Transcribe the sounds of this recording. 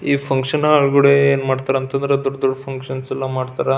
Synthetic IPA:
iːpʰɐŋkʂɐnɐɐɭɡɐɽeeːnmaːɽt̪aːɾɐnt̪ɐnd̪ɾed̪ɔɖɐd̪ɔɖːɐpʰɐŋkʂɐnsɛlːɐmaːɽt̪aːɾa

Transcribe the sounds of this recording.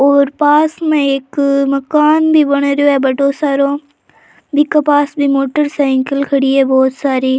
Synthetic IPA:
oːɾpaːsmẽɦɪkmɐkaːnbɪbɐɽ̃oɾijoɛbɐʈosaːɾo | bɪkɐpaːsbɪmoːʈəɾsaːɪ̃ŋkəlkʰɐɽiːebɔːt̪saːɾiː

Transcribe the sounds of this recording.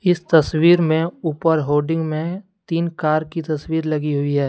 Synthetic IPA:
ɪst̪ɐswiːɾmẽuːpəɾɦoːɖɪ̃ŋɡmẽt̪iːnkaːɾkit̪ɐswiːɾlɐɡiɦʊiɦɛː

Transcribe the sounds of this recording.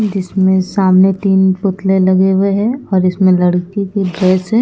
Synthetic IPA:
d͡ʒɪsmẽsaːmnet̪iːnpʊt̪lelɐɡeweɦɛ̃ɔːɾɪsmẽlɐɽkikebɛːsɛ̃

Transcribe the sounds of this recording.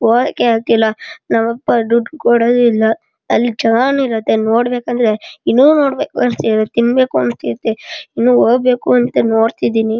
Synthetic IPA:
oːd̪kːeaːɡ̚t̪ilːɐnaʋɐpːɐɖuɖkoɽod̪uilːɐ | ɐlːid͡ʒɐɡaːnuiɾɐt̪ːenoːɽbeːkɐnd̪ɐɾe̞inːuːnoːɽbḛːkuɐnst̪iɾt̪inbe̞ːkuɐnst̪iɾɐt̪ːeinːuːoːɡbe̞ːkuɐnt̪ːɐnoːɽt̪id̪iːni

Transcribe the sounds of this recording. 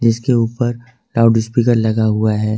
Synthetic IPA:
d͡ʒɪskeuːpəɾ | laːɖɪspiːkəɾlɐɡaɦuaɦɛː

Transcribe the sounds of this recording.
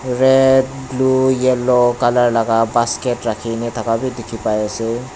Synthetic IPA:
ɾed̚blujelokalaɾlaɡabaskeʈɾakʰinet̪ʰɔkabid̪ikʰipajese

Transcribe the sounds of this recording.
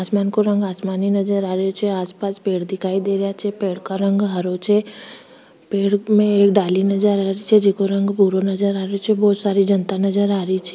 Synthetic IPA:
aːsmaːnkoɾə̃ŋɡaːsmaːninɐd͡ʒəɾaːɾeot͡ʃʰɛaːspaːspeːɽd̪ɪkʰaːid̪eːɾəjat͡ʃʰɛpeːɽ̤kaɾə̃ŋɡɦəɾot͡ʃʰɛ | peːɽmẽeːkɖaːlinɐd͡ʒəɾaːɾit͡ʃʰɛd͡ʒɪkoɾə̃ŋɡbuɾonɐd͡ʒəɾaːɾeot͡ʃʰebɔːt̪saːɾid͡ʒənt̪anɐd͡ʒəɾaːɾit͡ʃʰe̥

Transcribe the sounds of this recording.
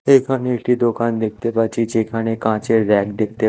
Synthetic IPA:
ekʰaneiʈid̪okand̪ek̚ʰt̪epat͡ɕid͡ʒekʰaɽ̃ẽkãt͡ɕeɾɛkd̪ek̚t̪e

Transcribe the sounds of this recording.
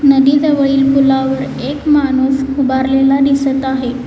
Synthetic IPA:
nəd̪iːd̪əʋəɭiːlpulaʋəɾ | ekmanuːsubaɾlelad̪isət̪aɦe

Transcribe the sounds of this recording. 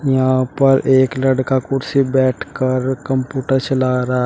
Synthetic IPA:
jɐɦãpɐɾʔeːklɐɖkakʊɾsibɛːʈʰkɐɾkɐ̃mpjuːʈəɾt͡ʃɐlaːɾa

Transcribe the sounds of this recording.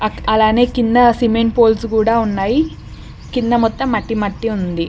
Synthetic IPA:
ɐɐlaːne̞ːkind̪ɐsimeɳʈpoːlsukuːɽaːunːaːji | kind̪ɐmɔt̪ːɐmːɐʈːimɐʈːiund̪i

